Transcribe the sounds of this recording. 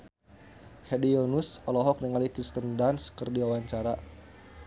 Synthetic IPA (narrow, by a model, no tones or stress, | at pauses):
hɛdiɔnusɔlɔɦɔk̚niŋalikɾist̪əndanskərdiawaɲt͡ʃaɾa